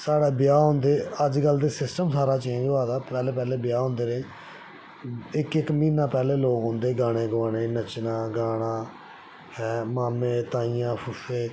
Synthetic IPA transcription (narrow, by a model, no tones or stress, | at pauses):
saːɽeːbɪjaːɦõnd̪eːəd͡ʒɡəld̪eːsɪsʈəmsaːɾaːt͡ʃẽːɲd͡ʒaːd̪aːpɛːleːpɛːleːbɪjaːɦõːnd̪eːneː | ɪkɪkmiːnãːpɛːleːloːkɦõːnd̪eːɡaːɽ̃ẽːɡʋaːɽeːnət͡ʃnaːɡaːɽãː | hɛːmaːmeːt̪aːiːjãːpʰʊseː